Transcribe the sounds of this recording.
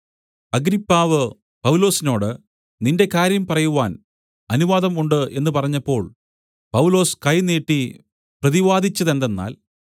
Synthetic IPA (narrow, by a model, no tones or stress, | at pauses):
ɐɡɾipːaːʋɨ | pɐwlo̞ːsino̞ːɽɨ | ninde̞kaːɾjɐmpɐrɐjuʋaːn | ɐnuʋaːd̪ɐmuɳɖɨʔe̞nːɨpɐrɐɲːɐpːo̞ːɭ | pɐwlo̞ːskɐjneːʈːi | prɐðiʋaːd̪ʱit͡ɕːɐðe̞nd̪e̞nːa̰ːl